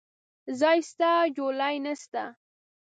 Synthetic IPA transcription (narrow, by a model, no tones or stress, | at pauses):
zɑjst̪ad͡ʒolajnast̪a